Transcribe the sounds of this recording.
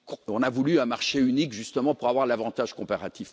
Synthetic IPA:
kɔ̃navulyɛ̃maʁʃeynikʒyst̪əmɑ̃puʁavwaʁlavɑ̃t̪aʒkɔ̃paʁat̪if

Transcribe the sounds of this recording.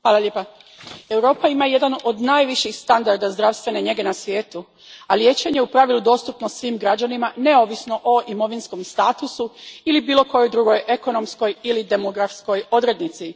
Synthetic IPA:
xʋaːlˠaʎʲjeːpa | e̞wɾo̞ːpaimaje̞d̪ano̞d̪naːjʋiʃixst̪and̪aɾd̪azd̪ɾaʋst̪ʋe̞ne̞ɲe̞ɡenasʋje̞ːt̪u | alje̞ːt͡ɕe̞ɲe̞upɾaʋilud̪o̞ːst̪upnosʋiːmɡɾad͡ʑanimane̞o̞ːʋisno̞ʔoʔimo̞ʋinsko̞mst̪aːt̪usuilibiːlˠo̞ko̞jojd̪ɾuɡo̞jʔeko̞no̞msko̞jilid̪e̞mo̞ɡɾafsko̞jo̞d̪ɾe̞d̪nit̪si

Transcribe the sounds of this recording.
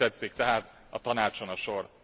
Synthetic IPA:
ɛt̪sikt̪ɛɦaːt̪ | ɒt̪ɒnaːt͡ʃonɒʃo̞r

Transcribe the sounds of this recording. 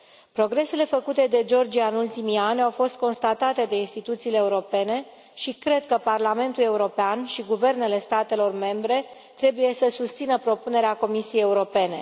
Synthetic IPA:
pɾo̞ɡɾe̞se̞le̞fəkut̪e̞d̪e̞d͡ʒo̞rd͡ʒijaɨnult̪imianʲawfo̞st̪̚ko̞nst̪at̪at̪e̞d̪e̞inst̪it̪ut̪siːle̞ːuɾo̞pe̞ne̞ | ʃikɾe̞d̪̚kəparlame̞nt̪ule̞uɾo̞peanʃiɡuve̞rne̞le̞st̪at̪e̞lo̞rme̞mbɾe̞ | t̪ɾe̞buje̞səsust̪sinəpɾo̞pune̞ɾeako̞misijejeuɾo̞pe̞ne̞

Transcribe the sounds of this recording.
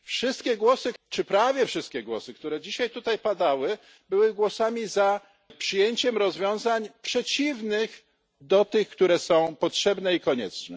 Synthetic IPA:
fʂɘst̪̚kʲɛɡwɔsɘt͡ʂɘpɾavʲjɛfʂɘst̪kʲɛɡwɔ̰sɘkt̪uɾɛd͡ʑiɕajt̪ut̪ajpad̪awɘ | bɘwɘɡwɔsamʲiza | pʂɘjeɲt͡ɕɛmɾɔzvʲjɔ̃w̃zaɲpʂɛt͡ɕivnɘx | d̪ɔt̪ɘxkt̪uɾɛsɔ̃w̃pɔtʂɛbnɛikɔɲɛ̰t͡ʂnɛ

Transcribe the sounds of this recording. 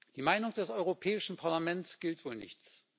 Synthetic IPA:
d̥iːmaɪnʊŋd̥ɛsʔɔʏʁopʰɛːɪʃn̩pʰaɐlamɛnsɡ̥ɪltv̥oːlnɪ̰çt͡s

